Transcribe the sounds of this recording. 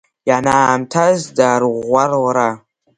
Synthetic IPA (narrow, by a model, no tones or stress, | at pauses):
janamtʰazdaɾʁʷaɾwɾa